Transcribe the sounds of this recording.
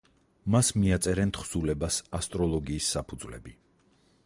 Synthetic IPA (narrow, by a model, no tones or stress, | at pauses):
masmiat̪sʼɛɾɛnt̪ʰχsulɛbasast̪ʼɾɔlˠɔɡiːsːapʰud̪zvlɛ̰bi